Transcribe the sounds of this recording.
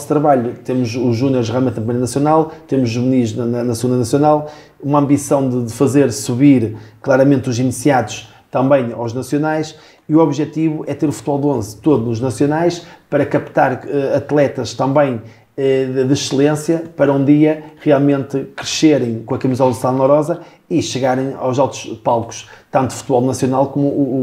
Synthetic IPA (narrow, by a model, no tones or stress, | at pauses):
st̪ɾɐβaʎut̪emuʃuʒunjɔɾɣʁjalˠmẽt̪ɐpɾimɾɐnɐsjunalˠt̪emuʒːuβniʒnɐnɐnɐsɨɣũnd̪ɐnɐsjunalˠ | umɐ̃mbisɐ̃w̃d̪ɨðɨfɐzeɾsuβiɾklˠaɾɐmẽnt̪uzinisijaðuʃ | t̪ɐ̃mbɐ̃j̃a̰wʒnɐsjunajʃ | iuɔβʒɛt̪iβuʔɛt̪eɾufu̥t̪βɔlˠd̪õzt̪oðunuʒnɐsjunajʃpɐɾɐkɐpt̪aɾɛɐt̪lˠɛt̪ɐʃt̪ɐ̃mbɐ̃j̃ | ɛɨðɨʃɨlˠẽsjɐpɐɾɐũd̪iɐʁialˠmẽnt̪ɨkɾɨʃeɾɐ̃j̃kõɐkɐmizɛlˠsaðɐnɔɾɔzɐ | iʃɨɣaɾẽj̃a̰wzawt̪u̥ʃpalˠku̥ʃt̪ɐ̃nt̪uu̥fu̥t̪βɔlˠnɐsjunalˠkomu